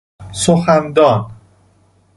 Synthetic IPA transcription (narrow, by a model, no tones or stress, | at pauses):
soxænd̪ɒːn